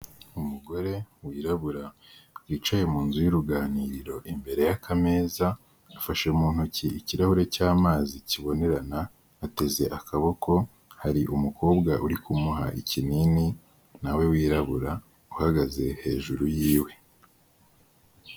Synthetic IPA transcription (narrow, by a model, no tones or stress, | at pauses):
umuɡo̞ɾe̞wiːɾaβuɾa | wiːt͡ʃaje̞muːnzujuɾuɡaːniːɾiɾo̞ʔimbe̞ɾe̞jakʰame̞ːzaː | faʃeumuːn̥uciiciɾahuɾe̞caːmaːziciβo̞ne̞ɾanaː | te̞ze̞ʔakaβo̞kʰo̞ | haɾiʔumukʰo̞ːbɡaʔuɾikumuɦa̰ʔicinini | nawe̞wiːɾaβuɾa | uhaɡaze̞he̞̰ːʒuɾujiːwe̞